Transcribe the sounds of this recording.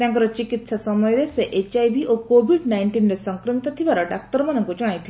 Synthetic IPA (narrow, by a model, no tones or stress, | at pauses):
t̪jãŋk̬əɾɔt͡ɕikit̪sasɔməjɾeseʔet͡ɕajbiʔokobiɖnajɳʈiːnɾesəŋkɾəmit̪ət̪ʰiʋaɾaɖak̚ʈəɾmanə̃ŋkut͡ʃuɽ̃ajt̪ʰi